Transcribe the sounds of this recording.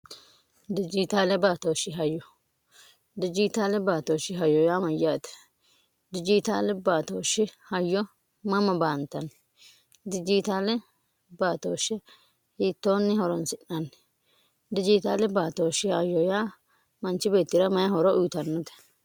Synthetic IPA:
d̪ɪd͡ʒɪt̪aːlɛbaːt̪oːʃɪɦɐjːɔ | d̪ɪd͡ʒɪt̪aːlɛbaːt̪oːʃɪɦɐjːɔjaːmɐjːaːt̪ɛ̥ | d̪ɪd͡ʒɪt̪aːlɛbaːt̪oːʃɪhɐjːɔ | mɐmɐbaːnt̪ːɐn | d̪ɪd͡ʒɪt̪aːlɛ | baːt̪oːʃːɛ | hiːt̪ːoːnːɪhɔɾɔnsɪʔɐn | d̪ɪd͡ʒɪt̪aːlɛbaːt̪oːʃɪhɐjːɔjaː | mɐnt͡ʃːɪbe̞ːt̪ːɪɾɐmɐjɐɦɔɾɔʔʊjt̪ɐnːɔt̪ɛ̥

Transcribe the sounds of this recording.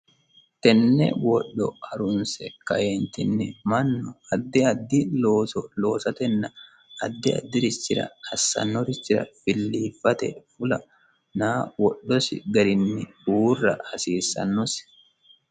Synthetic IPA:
t̪ɛnːɛ̰wɔɗːɔ̰ɐɾʊnsɛkɐjeːnt̪ɪnːɪmɐnːɔɐd̪ːɪɐd̪ːɪloːsɔloːsɐt̪ɛnːɐ | ɐd̪ːɪɐ̰d̪ːɪɾɪt͡ʃːɪɾɐ̰hɐsːɐ̰nːɔɾɪt͡ʃːɪɾɐ̰fɪlːiːfːɐt̪ɛ̰fʊlɐ | naːwɔɗːɔsɪ̰ɡɐɾɪnːɪ | uːrːɐ̰hɐsiːsːɐ̰nːɔs

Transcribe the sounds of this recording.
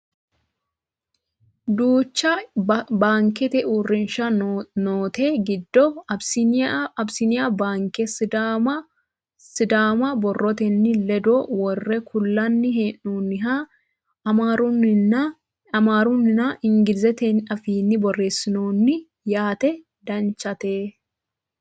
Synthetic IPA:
d̪uːt͡ʃːɐbaːŋkɛt̪ɛʔuːrːɪnʃɐnoːt̪eːɡɪd̪ːɔɐbsɪnɐbsɪnɪjabaːŋkɛ | sɪd̪aːmɐbɔrːɔt̪ɛnːɪlɛd̪oːwɔrːɛkʊlːɐnːɪɦeːnːuːnːɪɦa | ɐmaɾunɪnɐ | ɐmaːɾunːɪnaɪŋɡɪlzɛt̪ɛnɐfiːnːɪbɔrːe̞ːsːɪnoːnːɪ | jaːt̪ɛ | d̪ɐnt͡ʃːɐt̪eː

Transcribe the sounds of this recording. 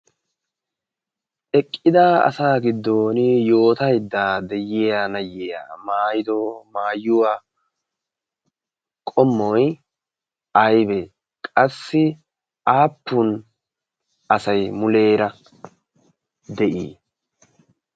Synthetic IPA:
ʔɛkʼːɪd̪aːɐ̰saːɡɪd̪ːo̞ːnɪjo̞ːt̪ɐjd̪ːaːd̪ɛjːejanɐjeːja̰maːjɪd̪omaːjːʊwa | kʼɔmːɔj | ɐjbɛ | kʼɐsːɪ | aːpːʊn | ɐsɐjmʊle̞ːɾɐ | d̪ɛʔḭː

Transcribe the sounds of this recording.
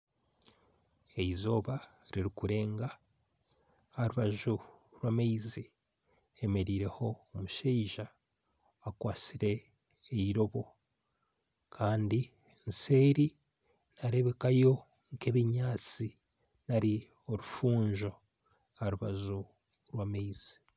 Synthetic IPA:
e̞izo̞ːβaɾiɾikuɾe̞ːŋɡa | haɾuβaʒuɾwaːmeizi | emeɾiːɾe̞ho̞ːmuʃeiʒaː | kwaːt͡siɾe̞ː | iɾo̞βo̞ | kʰaːndi | nse̞ːɾi | naɾe̞βe̞kajo̞ | ŋkeβiɲaːt͡si | naɾi | o̞ɾufuːɲʒo̞ | haɾuβa̰ʒu | ɾwameiz̥i̥

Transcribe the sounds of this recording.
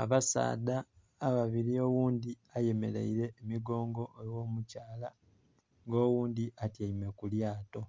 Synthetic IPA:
aβasa̰ːdaː | βaβiɾio̞wuːnd̪i | aje̞me̞lḛiɾe̞ːmiɡo̞ːŋɡo̞ʔewo̞ːmucaːla | ŋɡo̞ːwuːnd̪iʔatjaime̞kuljaːto̞

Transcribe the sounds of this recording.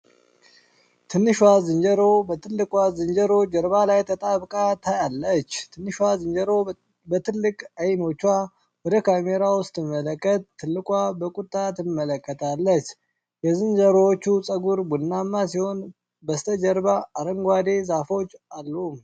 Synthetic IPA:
t̪ʰɨnːɨʃwazɨnd͡ʒəɾo̞bəɨlːɨkʼwazɨnd͡ʒəɾod͡ʒəɾβalajt̪ʰət̪ʼaβkʼat̪ʰajalːət͡ʃ̪ːɨnːɨʃwazɨnd͡ʒəɾo̞ | bət̪ʰɨlːɨkʼajno̞t͡ʃːa | wɔd̪əkʰameɾawʊst̪ʼɨmːələkʼːət̪ʰːɨlːɨkʼwabəkʼut̪ʼːat̪ɨmːələkʼːət̪ʰalːət͡ʃ | jɛzɨnd͡ʒəɾot͡ʃːusʼəɡuɾbunːamːasiho̞n | bəst̪ʰəd͡ʒəɾbaːɾəŋɡʷad̪e̞zafo̞t͡ʃːalːum

